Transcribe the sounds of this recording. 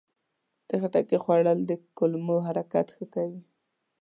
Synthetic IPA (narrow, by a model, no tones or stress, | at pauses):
d̪̥əxaʈakexwaɽəld̪əkʊlmoɦaɾakat̪xəkawi